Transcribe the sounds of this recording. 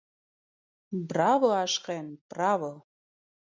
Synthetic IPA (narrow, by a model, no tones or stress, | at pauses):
brɑvoɑʃqenprɑvo